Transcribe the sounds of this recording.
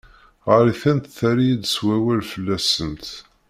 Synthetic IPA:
ʁəɾiθænt̪θæɾijid̪swæwælfəlːæsənt̪

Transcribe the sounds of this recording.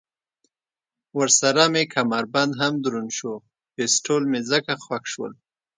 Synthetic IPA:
wəɾsaɾamekʰamaɾband̪ɦamd̪ɾunʃo | pesʈʰolmezəkaxwakʃwə̰l

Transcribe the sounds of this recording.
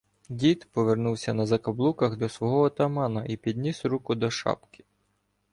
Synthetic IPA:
dʲit̪pɔʋernuwsʲɐnɐzɐkɐblˠukɐɣd̪ɔsʋɔɦɔɦɔt̪ɐmɑnɐʔipʲid̪ʲnʲisɾukʊd̪ɔʃɑ̰pkʲɪ̥

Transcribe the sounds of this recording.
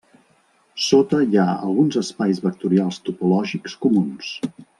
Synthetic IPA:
sot̪əijaə̰lˠɣunzəspajzβək̚t̪uɾialˠst̪upulɔʒikskumuns

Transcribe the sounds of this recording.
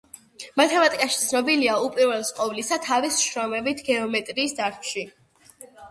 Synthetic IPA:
mat̪ʰɛmat̪ʼikʼaʃit̪sʰnɔbiliaupʼiɾvɛlˠsqʼɔvlisat̪ʰavisʃɾɔmɛbit̪ʰɡɛɔmɛt̪ʼɾiːsd̪aɾt̪ʰʃi

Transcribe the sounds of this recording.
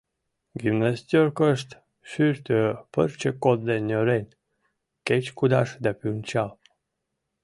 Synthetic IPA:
ɡimnasʲt̪ʲjorkəʃt̪ | ʃyɾt̪øpərt͡ɕekod̪d̪enʲøɾenʲ | ket͡ɕkud̪aʃd̪apyunʲt͡ɕal

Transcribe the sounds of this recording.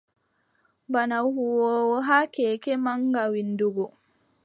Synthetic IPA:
banawhuwɔːwɔɦaːkɛːkɛmaŋɡawinduɡɔ

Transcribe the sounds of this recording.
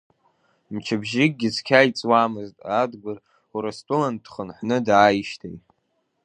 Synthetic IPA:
mt͡ʃʰabʒɪɡ̚ɡʲɪzkʲʰajt͡sʼwamɨztʼadɡʷʊr | uɾastʷʼʊlandχənħʷnɨdajʃtʰejtʼ

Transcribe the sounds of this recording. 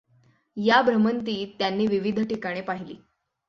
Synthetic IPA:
jabɾəmənt̪̬iːt̪janːiːʋiʋid̪ʱʈikaɽ̃epaɦilḭː

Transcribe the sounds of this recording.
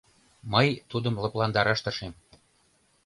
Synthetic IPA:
mɤjt̪ud̪əmlɤplɑnd̪ɑɾɑʃt̪ɤʃem

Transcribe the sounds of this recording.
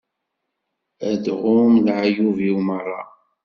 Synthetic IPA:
æd̪ʁʊmlʕajuviwmərˤːɑ̰

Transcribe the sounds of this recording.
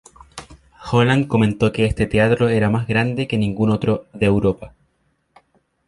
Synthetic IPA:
xolanko̞ment̪o̞keest̪et̪eat̪ɾo̞e̞ɾamazɣɾand̪e̞ke̞nĩŋɡuno̞t̪ɾoðeːwɾo̞pa

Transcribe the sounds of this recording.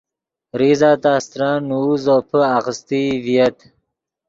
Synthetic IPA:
ɾizaːt̪aːst̪ɾanuzopʰəaɣəst̪ivijɐt̪

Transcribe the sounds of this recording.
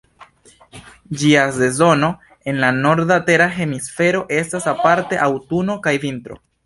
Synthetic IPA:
d͡ʒiase̞zo̞no̞ | e̞nlano̞ɾdate̞ɾaɦe̞misfe̞ɾo̞ʔe̞stasapaɾte̞ʔawtuno̞kajvintɾo̞̰

